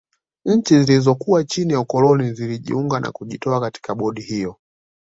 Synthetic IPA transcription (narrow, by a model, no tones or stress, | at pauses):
ɲ̩t͡ʃizilizɔkuwat͡ʃinijaukɔlɔniziliʄḭuŋɡanʔa̰kuʄitɔakati̥kaɓɔɗihijɔ